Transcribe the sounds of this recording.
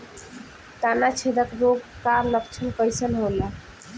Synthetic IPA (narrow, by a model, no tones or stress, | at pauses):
t̪anat͡ʃʰed̪əkɾoɡkaɾləkt͡ʃʰənkəjsənɦola